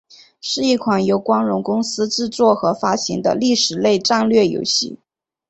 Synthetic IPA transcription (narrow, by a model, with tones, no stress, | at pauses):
ʂɻ̩˥˧i˥˩kʰwa˨˩njo˧˥ʊkwɑ˥ŋɻʊ˧˥ŋkʊ˥ŋsɹ̩˥ʈ͡ʂɻ̩˥˧t͡swɔ˥˩xɤ˧˥fa˥ɕi˧˥ŋd̪ə̰˧li˥˩ʂɻ̩˨˩le˥˧ɪʈ͡ʂa˥˧ŋlɥɛ˥˩jo̰˧˥ʊɕḭ˥˩